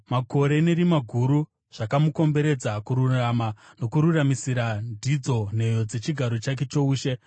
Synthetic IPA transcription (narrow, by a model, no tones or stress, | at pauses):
mako̞ɾe̞ne̞ɾimaɡʱuɾu | ʐ̥akamuko̞mbe̞ɾe̞d͡zakuɾuramano̞kuɾuramisiɾandʱid͡zo̞n̤e̞jo̞d͡ze̞t͡ʃiɡʱaɾo̞t͡ʃak̬e̞t͡ʃo̞uːʃe̞